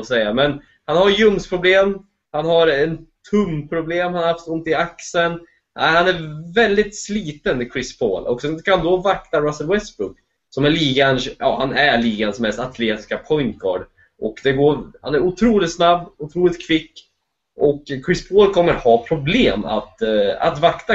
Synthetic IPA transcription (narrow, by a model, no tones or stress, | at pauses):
sɛjːamɛn | hanhaɾjɵmspʰɾʊbleːm | hanhaɾɛnt̪ʰːɵmːpʰɾʊbleːmhanaɾhaft̪ɵnt̪ːɪaksən | ʔæ̰ɪhanæɾvɛld̪ɪt̪sliːt̪ənkʰɾɪspʰo̰ːlɔksɛnkʰand̪ɔvak̚t̪aɾasəlwɛst̪bɾʊɡ | sɔmæliːɡanjɑ̰ːhanæɭiːɡansmɛst̪at̪ʰleːt̪ɪ̥skapʰɔʏnt̪ɡʰɑ̰ːɖ | ʔɔkd̪ɛɡoːɾha̰næɾʊt̪ʰɾuːlɪt̪snabːʊt̪ʰɾuːlɪt̪̚kʰvɪkː | ʔɔkkʰːɾɪspʰoːlkʰɔmːəɾhɑːpʰɾʊbleːma̰t̪a̰t̪vakt̪a